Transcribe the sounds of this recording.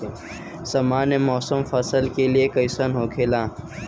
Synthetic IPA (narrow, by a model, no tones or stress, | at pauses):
sɐmaːnemɔːsəmfɐsəlkeliekɐjsənɦoːkʰeːlãː